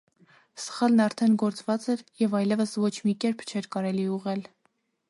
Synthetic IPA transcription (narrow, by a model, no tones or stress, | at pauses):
sə̥χɑlnɑɾt̪ʰɛnɡɔɾt͡svɑt͡sɛɾjɛvɑjlɛvəsvɔt͡ʃʰmikɛɾpʰt͡ʃʰɛɾkɑɾɛliuʁɛl